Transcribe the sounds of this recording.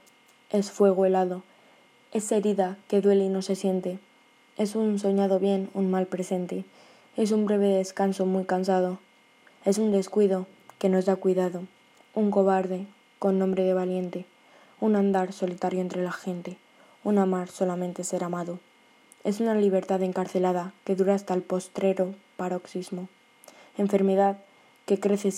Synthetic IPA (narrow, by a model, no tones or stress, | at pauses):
e̞sfwe̞ɣ̞oe̞laðo̞ | e̞se̞ɾiðake̞ðwe̞leino̞se̞sje̞nt̪e̞ | e̞sunso̞ɲað̞o̞βje̞nunmalpɾe̞se̞nt̪e̞ | e̞s̬umbɾe̞β̞e̞ðe̞skanso̞mwuijkansað̞o̞ | e̞sund̪e̞skwiðo̞ | ke̞no̞zðakwiðaðo̞ | uŋko̞βaɾðe̞ | ko̞nːõ̞mbɾe̞ðe̞β̞alje̞nt̪e̞ | unãnd̪aɾso̞lit̪aɾjo̞ent̪ɾe̞laxe̞nt̪e̞ | unamaɾso̞lamẽ̞nt̪e̞se̞ɾamaðo | e̞̰sunaliβ̞e̞ɾt̪aðe̞ŋkaɾθe̞lað̞ake̞ðuɾaːst̪alpo̞st̪ɾe̞ɾo̞paɾo̞ksizmo | e̞ɱfe̞ɾme̞ð̞að | ke̞kɾe̞θe̞